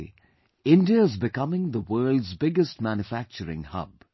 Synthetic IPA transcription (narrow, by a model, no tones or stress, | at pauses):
ɪ̃ndiəɪzbɪkʌmɪ̃ŋðəwɜːldzbɪɡəstmæ̃njufæk̚t͡ʃəɾɪ̰̃ŋhʌ̰b̥